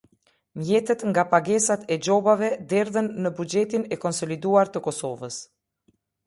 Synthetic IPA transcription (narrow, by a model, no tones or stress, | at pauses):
mjɛt̪ət̪ŋɡapaɡɛsat̪ɛd͡ʒɔbavɛd̪ɛɾðənːəbud͡ʒɛt̪inɛkɔnsɔlid̪uaɾt̪əkɔsɔvəs